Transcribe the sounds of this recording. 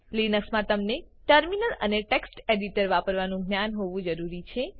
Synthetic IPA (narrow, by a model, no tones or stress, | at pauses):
linəksmãt̪əmneʈəɾminələ̰neʈeksʈeɖiʈəɾʋapəɾʋanũɡnjanɦoʋũd͡ʒəɾuɾit͡ʃʰe